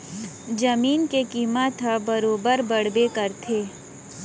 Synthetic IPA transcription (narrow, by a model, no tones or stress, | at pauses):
d͡ʒɐmiːnkekiːmət̪ɦəbɐɾoːbəɾbəɽbekɐɾt̪ʰeː